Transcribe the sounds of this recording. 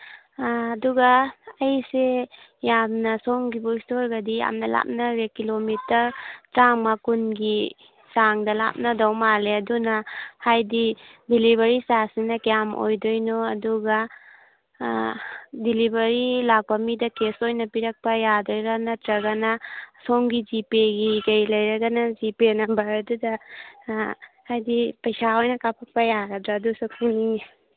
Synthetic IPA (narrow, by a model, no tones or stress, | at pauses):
duɡaɐjsejamnɐsɔŋɡibustoɾɡɐdija̰mnɐla̰p̚nɐɾekilomitɐɾtɾaŋmakunɡi | saŋdɐla̰p̚nɐdawmaleɐdunɐhajdidilibɐɾisasinɐkejamʔo̰jdojnoɐduɡa | dilibɐɾilak̚pɐmidɐkesojnɐpiɾɐk̚pɐjadɔjɾanɐtɾɐɡɐnɐsoŋɡizipeɡiɡɐjlɐjɾɐɡɐnɐzipenɐbɐɾɐdudɐ | hajdipɐjsaojnɐkapʰak̚pɐjaɡɐdɾadusakʰuni